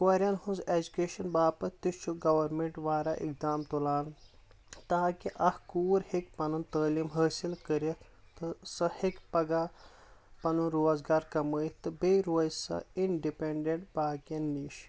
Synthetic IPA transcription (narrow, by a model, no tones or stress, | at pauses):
koɾʲɐnhũnzed͡ʒukeːʃɐnbaːpɐt̪it͡ʃʰuɡɐʋɐɾmẽɳʈʋaːɾaʔḭk̚d̪aːmt̪ulaːn | t̪aːkiʔɐhkuːɾhikpɐnunt̪əːliːmɦəːsilkəɾit̪ | t̪ɨsɐhikpɐɡa | pɐnunɾoːzɡaːɾkɐməːjt̪ɨbeːɾoːjsɐ̰iɳɖipeɳɖẽɳʈbaːkɐnːiːʃ